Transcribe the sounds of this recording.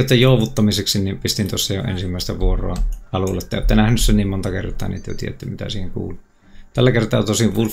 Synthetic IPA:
ot̪ːejjoˑuʋut̪ːɑmiseksinnimpist̪int̪osːɑjo̰ḛnsimːæˑest̪æʋuoro̰ɑɑlulːet̪ːæo̰ˑːt̪ːenæhnyssenniːmmont̪ɑkḛrt̪ˑɑ̰ːniʔt̪ːyø̰t̪ḭeḛt̪ːæmit̪æ̰siːheŋkṵːlu | t̪ælːækert̪ɑːt̪osiʋʋul

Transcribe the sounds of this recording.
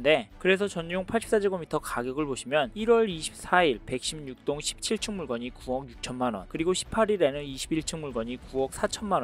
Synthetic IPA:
nde̞kɯɾe̞sʰʌt͡ɕʌnd͡ʑoŋpʰaɭɕ͈ʰi̥p̚s͈ad͡ʑiɡomitʰʌkaɡjʌɡɯɭboɕʰimjʌniɾwʌɾiɕʰi̥p̚s͈aiɭpe̞k̚ɕ͈imɲuk̚t͈oŋɕʰi̥p̚t͡ɕʰiɭt͡ɕʰɯŋmuɭɡʌɲikuwʌkjuk̚t͡ɕʰʌnmanwʌ̰nkɯɾiɡoɕʰi̥pʰaɾiɾenɯniɕʰibiɭt͡ɕʰɯŋmuɭɡʌɲikuwʌk̚s͈at͡ɕʰʌnmanw

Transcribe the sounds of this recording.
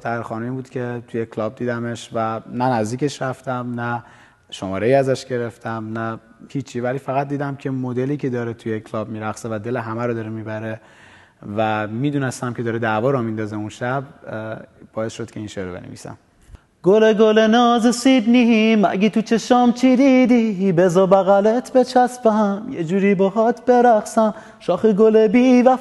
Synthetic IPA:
t̪æɾxɒːnumiːbuːd̪̥cʰe̞t̪ʰuje̞kʰlɒːb̚d̪iːd̪æme̞ʃvænænæzd̪iːkcʰe̞ʃɾæft̪æmnæ | ʃomɒːɾe̞jiːæzæʃɟe̞ɾe̞ft̪ʰæmnæ | hiːt͡ʃʰːiːvæliːfæɣæt̪̚d̪iːd̪æmcʰe̞mod̪eliːcʰe̞d̪ɒːɾet̪ʰujekʰlɒːb̚miːɾæɣsevæd̪e̞leɦæmæɾod̪ɒːɾemiːbæɾe̞ | væmiːd̪uːnest̪æmkʲʰeɒːɾed̪ævɒːɾɔmind̪ɒːzeunʃæb̚ | b̥ɒːe̞sʃod̪cʰe̞iːnʃeɾobenḛvḭːsæ̰m | ɡ̥oleɡolenɒːzesid̪niɦimæ̰ɡit̪ʰut͡ʃʰeʃɒːmt͡ʃʰid̪id̪iibezɒbæɣælet̪ʰbet͡ʃʰæspæɦæmjḛd͡ʒuːɾiːbɔxɒt̪ʰbe̞ɾæxsæm | ʃɒːxeɡolebivæ

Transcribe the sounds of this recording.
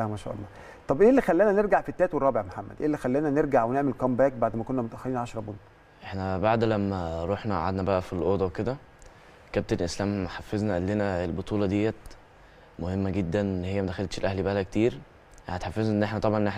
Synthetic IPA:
æmæʃæ̰ʔɑ̰lːɑ | t̪ˤɑbʔeːlːixælːenæneɾɡaʕfit̪ːæːt̪werˤːɑːbeʕmħamːæ̰d̪ʔḛːlːixælːenæneɾɡaʕweneʕmelkɑmbæːk̚baʕd̪mækonːæmot̪ʔæxæliːnʕaʃɑɾˤɑbont̪ | ʔeħnæbaʕd̪læmːæɾˤoħnæʔa̰ʕa̰d̪næbæʔæfilʔoːd̪ˤɑweked̪æ | kæb̚t̪enlʔeslæːmːħafːeznæʔæd̪ːenæelbot̪ˤuːlɑd̪ejːæt̪ | mohemːæɡed̪ːænnːhejːæmæd̪æxælt̪ʃelʔæhlibæʔækt̪iːɾ | ʔanæt̪ħafːeznæʔenːʔeħnæt̪ɑbʕɑnʔene

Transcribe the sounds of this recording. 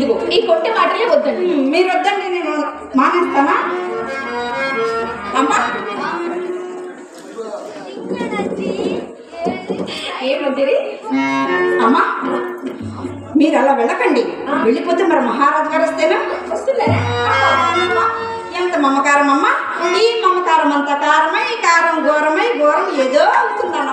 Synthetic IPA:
d̪uɡoːiːkoɳʈːemaːʈɐleːʋod̪ːɐɳɖimiːɾuod̪ːɐɳɖineːnu | maːnɐɾt̪ːaːnaː | ɐmːa | eːmod̪ːiɾi | ɐmːa | miːɾɐlːaʋɛɭɐkɐɳɖiʋeɭipoːt̪ːumɐɾɐmɐɦaːɾaːd͡ʒɐkaːɾɐst̪eːnɐmɐst̪ulːeɐtasɐnɐmːa | int̪ɐmɐmɐkaːɾɐmɐmːɐ | iːmɐmɐk̪aːɾɐmɐnt̪ɐkaːɾɐmɐjkaːɾɐmɡɔːɾɐmɐjɡɔːɾɐmeːd̪oːt̪ːund̪aːn

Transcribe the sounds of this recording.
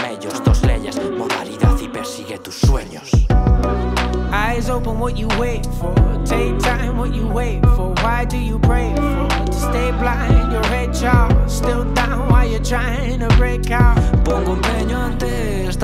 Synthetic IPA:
mɛʎʊst̪ozlɛ̰ʎɐ̰smoða̰liðaðipɛɾsiɣet̪ʊsweɲʊs | aɪzoʊpə̃nwʌt̚jɨweɪtfɔ˞tʰeɪk̚tʰãɪ̃mwʌt͡ʃjəweɪtfə˞waɪdɨjɨpʰɹeɪfɔ˞ʌtʰəsteɪplaɪɪ̃ŋɪ̃njɔ˞ɹɛd̚t͡ʃastɪlˠdãʊ̃nwaɪjə˞tʰɹaɪɪ̃ɪ̃ŋtʰɨbɹeɪkaʊtbɔ̃ŋɡõndɛɲɔ̃nd̪ɪ | s

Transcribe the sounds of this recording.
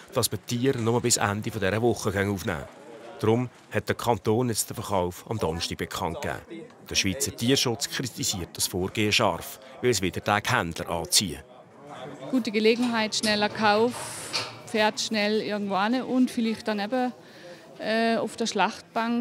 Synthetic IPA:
d̥ɑsmətʰːiːəɾnɔməbɪsæ̰ndifɔdɛɾəvʊχːəɡœŋuːfnæ̰ːd̥ɾʊm | hɛt̚d̥əkʰɑnt̪oːnjɛt͡std̥əfəχaʊfɑmd̪ɔnʃtiɡ̥̚bɛkʰɑnt̚kæ̰ːd̥əʃʋiːt͡sətiːərʃʊt͡skʰɾit̪isiːət̚d̥ɑsfoːrɡ̥eːəʃɑrf | ʋɪləsʋɪd̥ətæːkhænd̥lə̰ɾʔɑ̰ːt͡siːə̰ | ɡ̥uːtəɡəleːɡnŋ̩ɦaɪtʃnɛlɐkʰaʊffɛːɐtʃnɛlɪɐɡŋ̩tvoanəʔʊntfɪlɪχt̚ːanɛbə | ɛːʊfd̥əɐʃlɑχt̚b̥aŋ

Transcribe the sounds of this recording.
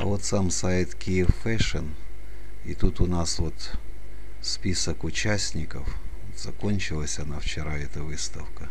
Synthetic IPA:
ɐ̰vo̞t̪samsajɪt̪kʲijɪfːɛʂən | it̪ut̪ʊnasvo̞t̪ | spʲisəkʊt͡ɕæsʲnʲɪkəfot̪z̥ɐko̞nʲt͡ɕɪlˠəsʲɐnaft͡ɕɪɾaɛt̪əvɨst̪əfkə

